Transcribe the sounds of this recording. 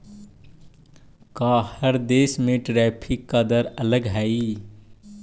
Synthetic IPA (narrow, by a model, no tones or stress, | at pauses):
kaːhəɾd̪eːsmẽʈɾɛːpʰɪkːad̪əɾələɡɦɛi